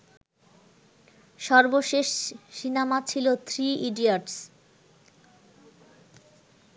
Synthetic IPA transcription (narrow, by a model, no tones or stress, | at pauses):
ʃɔɾboʃeʃːinamat͡ɕʰilot̪ʰɾiiɖiaʈs